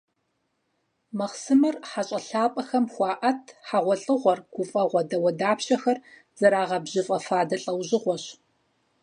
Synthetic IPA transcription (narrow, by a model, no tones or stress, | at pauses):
mɐχsɨmɐrħaɕʼɐɬaːpʼɐxɐmxʷɑːʔɐtʰħaʁʷɔɬʼɨʁʷɔrɡ̥ʷʊfʼɐʁʷɔdɐwɐdaːpɕɐxɐr | z̥ɐɾaːʁɐbʑɪfʼɐfaːdɐɬʼɐwʑɪʁʷɔɕ